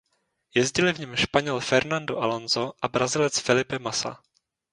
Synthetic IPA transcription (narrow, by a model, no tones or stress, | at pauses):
jɛzɟɪlɪvɲɛmʃpaɲɛlfɛɾnandoʔalonzoʔabɾazɪlɛt͡sfɪlɪpɛmasa̰